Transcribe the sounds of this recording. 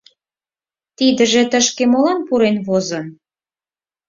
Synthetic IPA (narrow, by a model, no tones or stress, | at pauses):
t̪id̪ə̆ʒĕt̪ə̆ʃkemolɑnpuɾenβozɤ̆n